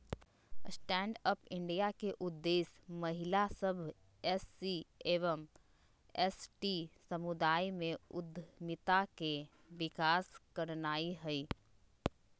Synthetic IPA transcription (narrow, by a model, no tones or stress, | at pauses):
sʈɛ̃ːɳɖəpɪ̃ɳɖijakeʔʊd̪ːeːsmɐɦɪlasəbʱ | ɛsːieːʋəm | ɛsʈisəmʊd̪aːimẽʊd̪ʱmɪt̪ake | ʋɪkaːskəɾnaːiɦɛi